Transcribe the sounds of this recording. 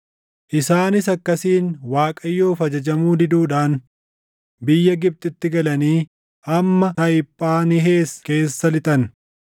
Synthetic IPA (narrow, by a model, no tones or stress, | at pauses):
ʔɪsaːnɪsɐkːɐsiːnwaːkʼɐjːo̞ːfɐd͡ʒɐd͡ʒɐmuːd̪ɪd̪uːᶑaːn | bɪjːɐɡɪb̚t̪ʼɪt̪ːɪɡɐlɐniː | ʔɐmːɐt̪ɐɪpʼːaːnɪɦe̞ːske̞ːsːɐlɪt̪ʼɐn